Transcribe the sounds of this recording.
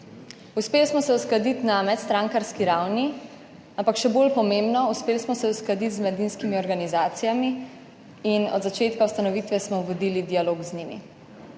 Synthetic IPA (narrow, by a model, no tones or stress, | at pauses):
uspeːlsmɔsɛusklad̪it̪namɛt̪st̪ɾãŋkaɾskiɾawni | ampakʃɛbolpɔmembnɔuspeːlsmɔsɛusklad̪it̪zmɛd̪inskimiɔɾɡanizaːt̪sijami | inɔ̰d̪zat͡ʃeːt̪kaust̪anɔʋit̪ʋɛsmɔʋɔd̪ilid̪ijaloɡzɲimḭ